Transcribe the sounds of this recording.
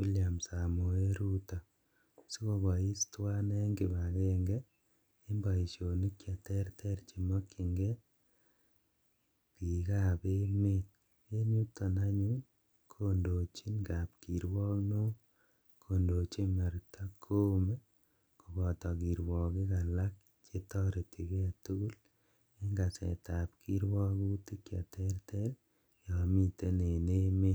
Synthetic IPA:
ku˦lja˨msa˨mo˨e˦ɾu˦ta˨ | si˦ko˨bɔ˨i˦stwa˦nɛ˦ŋɡɪ˨ba˨ɣe˦ŋɡɛ˦ | i˦mbɔ˨i˨ʃo˨ni˦kja˨tɛ˦rtʰɛ˦ɾt͡ʃi˨mɔ˦ki˨ŋɡɛ˦ | pi˨ka˦be˦me˦t | e˦ɲu˦ta˨na˦ɲu˦ | kʰo˨ndo˨t͡ʃi˦nka˨p̚ki˨ɾwɔ˦kno˦ | kʰo˨ndo˨t͡ʃe˦ma˨ɾtʰa˦kʰo˦me˦ | ko˨bɔ˨tɔ˨ki˨ɾwɔ˨kɪ˦ka˨la˦k̚ | t͡ʃe˦tɔ˦ɾe˨tʰi˨ke˦˨tu˦ɡu˦l | e˦ŋɡa˨sɛ̰˨ta˨p̚kʰi˦ɾwɔ˦ku˦ti˦kja˨tɛ˦rtɛ˦l | jɔ˨mi˦te˦ne˨ne˦me˦

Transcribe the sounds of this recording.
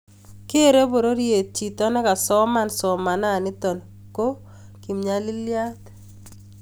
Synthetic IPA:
ke˦ɾe˦bo˨ɾo˦ɾje˨t͡ʃi˨tɔ˦nɛ˦ka˨sɔ˦ma˦nsɔ˨ma˨na˦˨nɪ˦t̪ɔ˨n | ko˦ | ki˨mɲa˦lɪ˦lja˦t̪

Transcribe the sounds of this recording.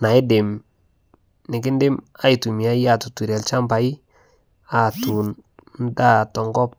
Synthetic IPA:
na˨ɪ˦dɪ˨m | nɪ˨k̬ɪ˦ndɪ˦ma˦i˨tu˨mi˨a˦ja˨tu˨tu˨ɾɛ˨lt͡ʃa˦mba˨i˦ | a˨tu˨nn˦da˦tɔ˨ŋɡɔ˦p̚

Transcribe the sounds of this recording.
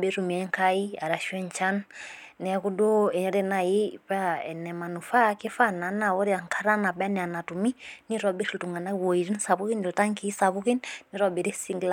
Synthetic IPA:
be˦ɾu˨mi˨ɛ˨˦ŋka˦i˦a˨ɾa˨ʃwɛ˦ɲ˨t͡ʃa˦n | nɛ˨˦ku˦do˦ɛ˨ɲɔ˦ɾɛ˦na˨ji˦pa˦ɛ˨nɛ˨ma˨nu˨fa˦ke˦fa˦na˨˦na˨wɔ˦ɾi˦a˨ŋkʰa˦ɾa˦na˨bɛ˦nɛ˨a˨na˨tu˨mi˦ni˦ɾɔ˨bi˦ɾi˦ltu˨ŋɡa˨na˦wo˨i˨ɾi˦n˦sa˨βu˦ki˦ni˨lta˦ŋki˨˦sa˨βu˦ki˦nni˦ɾɔ˦be˨ɾi˦si˦ŋɡl

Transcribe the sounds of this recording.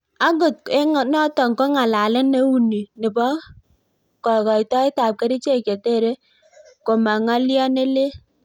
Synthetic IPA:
a˦ɡʊ˨t̚e˦ŋ˨nɔ˦tɔ˨ŋko˦ŋa˨la˨lɪ˦ne˦wu˦ni˨nɪ˨bɔ˦ | kɔ˨kɔ˨i˨tɔ˦ɪ˦ta˨p̚ke˦ɾi˦t͡ʃe˦˨ke˨te˦˨ɾe˦ | ko˨ma˨ŋa˦ljɔ˦ne˦le˦

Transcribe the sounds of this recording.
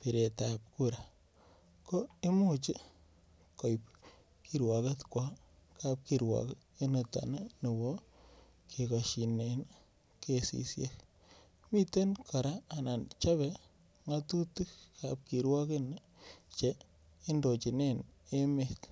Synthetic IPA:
pi˨ɾe˨ta˨p̚ku˦ɾa | ko˦e˦mu˦t͡ʃi˦ | ko˨jp | ki˦ɾwa˨ke˦tkwa˦ | ka˦p̚kiɾwa̰˨k | e˦nə˨ta̰˨na˦ni˨bo˦ | kʰi˨kaʃi˨ne˨n | ke˦sḭ˨sje˦k | mi˦te˦nkʰo˨ɾaː˦˨na˨nt͡ʃa˦βe | ŋa˦tu˦tu˦kap̚ki˨ɾwa˦ke˦n | t͡ʃe˦ | i˦ndo˨t͡ʃi˨ne˦ne˦mek

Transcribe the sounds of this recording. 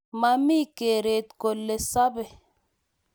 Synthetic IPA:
ma˨mi˦ke˨ɾe˨t̪̚ko˨lːe˨sa˦bɛ˨

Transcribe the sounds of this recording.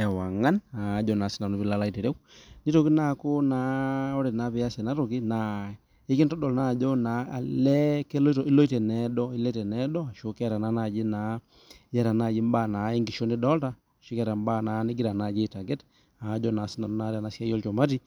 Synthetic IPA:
ɛ˨wa˨ŋa˦na˨˦d͡ʒɔ˨na˨si˦na˨nu˦bi˦la˨˦la˦i˨te˨ɾe˦wni˦to˨ki˦na˦ko˦na˨˦ɔ˦ɾe˨na˦pɛ˨ja˦sɛ˨na˦ɾo˨ki˦na˨ | e˦ki˦ntɔ˦dɔ˨lna˦˨d͡ʒɔ˦na˨a˨lɛ˦kɛ˦lo˦tɔ˨i˦lo˦i˦tɛ˨nɛ˨dɔ˦i˦lɛ˦tɛ˨nɛ˦dɔ˦a˨ʃo˦kɛ˦ɾa˨na˦na˦˨d͡ʒi˦na˨˦ | ɛ˦ɾa˨na˦˨d͡ʒi˦mba˦˨na˨˦e˦ŋɡi˨ʃo˦ni˦dɔ˦lta˦˨ʃu˦kɛ˦ɾa˨mba˦˨na˨˦ni˦ɡi˦ɾa˨na˦˨d͡ʒi˦˨ta˨ɡɛ˦t | a˨˦d͡ʒɔ˦na˨˦sɪ˦na˨nu˦na˦ɾɛ˨na˨˦sja˦jɔ˦lt͡ʃɔ˨ma˦t̬i˦

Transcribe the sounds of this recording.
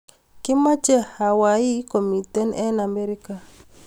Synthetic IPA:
kɪ˦ma˦t͡ʃɛ˦ha˨wa˨i˦ko˨mi˨tɛ˦nɛ˦na˨me˦ɾi˦ka˨

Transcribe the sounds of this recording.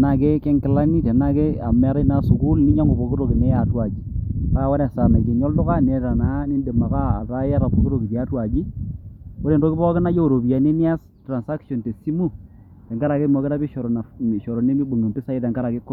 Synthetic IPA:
na˨ke˦kɛ˦ŋkɪ˨la˦ni˦tɛ˨na˦ke˦a˨m˨a˨˦ɾe˦na˨˦sʊ˨ku˦lni˦ɲa˦ŋo˨bo˨kɪ˦ɾo˨kɪ˨nɛ˦ja˨twa˨d͡ʒi˨pa˦wa˦na˨sa˨na˨d͡ʒe˨ɲɔ˦ldʊ˦ka˦ne˨ta˨na˨˦ni˦nde˨ma˨kaː˦˨ta˦ja˦ɾa˨po˦ko˦ɾo˨kɪ˨ka˦twa˨d͡ʒi˦ | ko˦ɾe˨ndo˦kɪ˦bɔ˦kɪ˦na˦jo˦o˨ɾo˨bi˨a˨ne˦ni˦a˦s | tra˨nsa˦kʃɔ˨nte˨si˦mu˦ | tɛ˨ŋɡa˦ɾa˨ke˦mɔ˨kɪ˦ta˦bi˦ʃɔ˨ɾɔ˨na˨ʃɔ˨ɾɔ˨ne˦mi˦bo˨ŋe˨mpɪ˦sa˦i˦tɛ˨ŋɡa˦ɾa˨ke˦kːʊ˦

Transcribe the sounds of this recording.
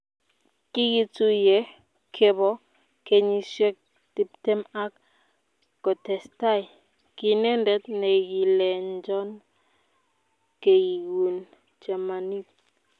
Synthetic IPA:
ki˦ɡi˦tu˦jɛ˨ | kʰe˦bɔ˦ | ke˦ɲi˦ʃɛ˦k̚ | ti˦p̚tɛ˦ma˦kː | ɔ˨tɛ˨sta˦˨j | ki˦nɛ˦ndɛ˨˦t̪nɛ˨ɡi˨lɛ˨nd͡ʒɔ˦n | ke˨ji˨wu˨n | d͡ʒa˨ma˨ni˦t̪̚

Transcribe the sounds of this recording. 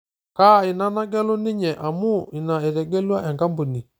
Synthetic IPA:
ka˦˨ɪ˨na˦na˦ɡɛ˦lʊ˦nɪ˦ɲɛ˨ʔa˨mu˦i˨na˨e˨ɾɛ˨ɡɛ˦lwa˦ʔɛ˨ŋɡa˦mbu˨ni˨

